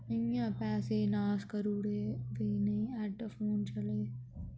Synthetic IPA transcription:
ɐŋjãːpɛːseːnaːskɐɾuːɽeːʋenɐĩɛːʈːɐfʰoːnt͡ʃɐleː

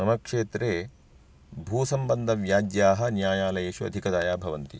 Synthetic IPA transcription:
ɐmɐkʂeːt̪ɾeː | bʱuːsɐmbɐnd̪ʱɐʋjaːd͡ʒjaːɦɐ̆njaːjaːlɐjeːʃuɐ̰d̪ʱikɐd̪aːjaːbʱɐʋɐnt̪i

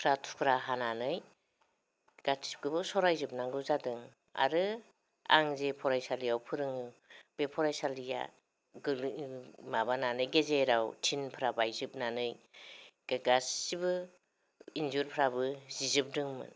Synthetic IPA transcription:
pʰɾatʰu̥kʰɾaɦananɯj | ɡ̥at͡ʃi̥pɡɯbɯsɔɾajzɯp̚naŋɡɯzadɯŋ | a̰ɾɯ | a̰ŋzepʰɔɾajsalijawpʰɯɾɯŋɯb̥epʰɔɾajsalija̰ | ɡɯlmabananɯjɡezeɾawtʰinpʰɾabajzɯp̚nanɯj | ɡ̥aɡassibɯ | inzuɾpʰɾabɯzizɯp̚dɯŋmɯ̰n

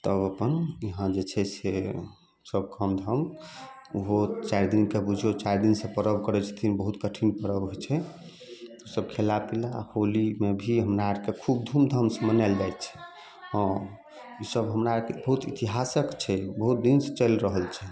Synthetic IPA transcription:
t̪əbəpəniɦãd͡ʒet͡ʃʰɛse | səb̚kəmd̪ʱəm | uɦot͡ʃaɾd̪inkebud͡ʒʱot͡ʃaɾd̪insẽpəɾəbʱkəɾɛt͡ʃʰə̥t̪ʰinbəɦut̪kəʈʰinpəɾəbɦojt͡ʃʰɛ | usəb̚kʰelapila̰holimebʱiɦəmɾaaɾkekʰub̚d̪ʱumd̪ʱəmsmənɛld͡ʒajt͡ʃʰɛ̥ | ɦə̃ | isəbɦəmɾaɾkebəɦut̪it̪iɦasəkt͡ʃʰɛbəɦut̪̚d̪inset͡ʃəlɾəɦəlt͡ʃʰɛ

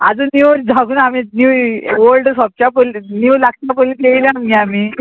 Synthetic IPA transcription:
a̰d͡zəniʋɾd͡zʱaɡuːnaminuʋəlɖsɔp̚t͡ɕapəlniwlak̚t͡ɕapəlit̪eilẽamiamiː

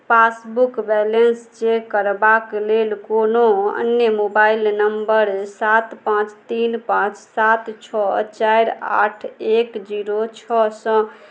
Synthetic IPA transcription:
pasbukbɛlenst͡ʃekːəɾbaklelkonoə̰njəmobailnəmbəɾsat̪pãt͡ʃt̪inpãt͡ʃsat̪t͡ʃʰɔt͡ʃajɾa̰ʈʰekd͡ʒiɾot͡ʃʰɔsə̃

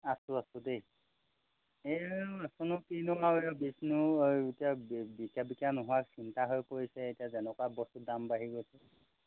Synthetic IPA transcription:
asʊasʊdej | easɔnʊkinʊaejbisnuetijabbikjabikanʊɦʊwaksintaɦojkoɹisɛejtijazɛnɔkwabɔsudambaɦiɡojsɛ

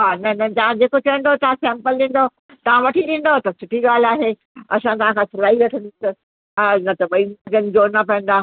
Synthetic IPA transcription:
ɦaːnɐnɐd͡ʑãːd͡ʑeːkot͡ɕɐə̃nd̪ot̪ɐʋãsɛ̃ːmpəlɗĩːn̆d̪o | t̪ɐʋãʋɐʈʰiɗĩːn̆d̪ot̪ɐsʊʈʰiɡaːl̤aːɦe | ɐsãt̪ɐʋ̤ãkʰãsʰʊlaːiɾɐʈʰə̃nd̪t̪ɐ | nɐt̪ɐɓɐid͡ʑənɪ̆d͡ʑoːnɐpɐə̃n̆d̪aː

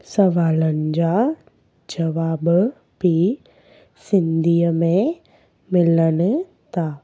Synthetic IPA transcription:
sɐʋaːlənɪd͡ʑa | d͡ʒɐʋaːb | pi | sɪ̃nd̪ijəmẽ | mɪlənɪ̆ | t̪aː

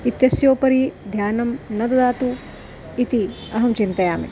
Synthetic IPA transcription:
it̪jɐsjoːpɐɾid̪ʱjaːnɐmnɐd̪ɐd̪aːt̪u | it̪i | ɐɦɐmt͡ʃint̪ɐjaːmḭ

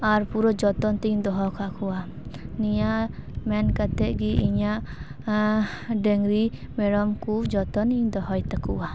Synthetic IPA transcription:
aɾpuɾɔd͡ʒɔt̪ɔnt̪iɲd̪ɔɦɔkʰakʰua | nijamɛnkat̪ɛʔɡiʔiɲaʔ | ɖɛŋɡɾimɛɽɔmkud͡ʒɔt̪ɔniɲd̪ɔɦɔjt̪akuwa

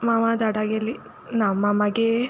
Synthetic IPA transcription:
maʋad̪aɽaɡelːi | namːɐmɐɡe

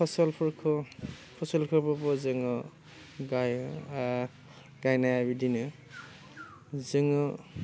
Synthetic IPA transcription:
pʰɔsɔlpʰɔɾkʰɔpʰɔsɔlkʰɯpʰɔpɔzɯŋɔ | ɡaj | ɡajnajabidinɯ | zɯŋɔ

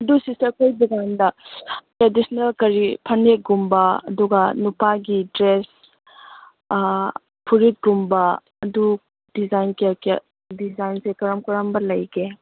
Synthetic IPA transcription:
ɐdusiseɐkʰojduɡandɐtɾedisnelkɐɾipʰɐneɡumbɐɐ̰duɡɐnupaɡidɾes | pʰuɾit̚ɡumbɐː | du | dizajnkik | dizajnsekɐɾɐmkɐɾɐmbɐlɐjɡe

